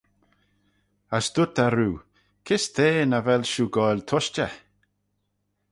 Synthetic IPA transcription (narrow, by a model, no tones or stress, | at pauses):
asd̪̥ʊt̪aɾuː | kʰɪst̪ʰeːnavɛlʃuːɡɔjlt̪ʰɔʃt͡ʃə